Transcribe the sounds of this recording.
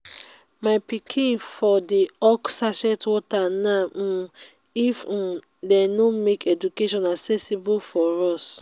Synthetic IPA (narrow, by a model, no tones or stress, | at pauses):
maɪpikʰĩnfɔdiɔksaʃɛtwɔtanã | if̩ | dɛnomekʰɛd͡ʒukeʃɔ̃naksɛsibofɔɹɔs